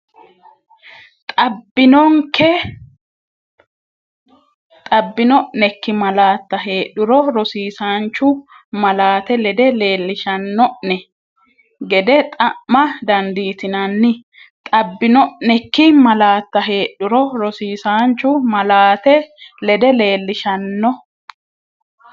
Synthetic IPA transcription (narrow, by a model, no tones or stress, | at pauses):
t̪ʼɐbːɪnɔŋkɛ | t̪ʼɐbːɪnɔʔnɛkːɪmɐlaːt̪ːɐɦe̞ːɗʊɾɔɾɔsiːsaːnt͡ʃːʊ | mɐlaːt̪ɛlɛd̪ɛle̞ːlːɪʃɐnːɔʔnɛ | ɡɛd̪ɛt̪ʼɐʔmɐd̪ɐnd̪iːt̪ɪnɐnːɪ | t̪ʼɐbːɪnɔʔnɛkːɪmɐlaːt̪ːɐɦe̞ːɗʊɾɔɾɔsiːsaːnt͡ʃːʊmɐlaːt̪ɛlɛd̪ɛle̞ːlːɪʃɐnːɔ